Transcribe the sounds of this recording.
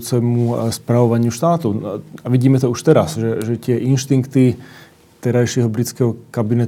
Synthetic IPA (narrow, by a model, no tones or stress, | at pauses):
t͡sɛmuspɾaʋɔʋaɲɪuʃt̪aːt̪ɔaʋiɟiːmɛt̪ɔuʃt̪ɛɾasʒɛʒɛt̪ɪɛʔinʃt̪iŋkt̪i | t̪ɛɾajʃɪɛɦɔbɾit͡skɛɦɔkabinɛ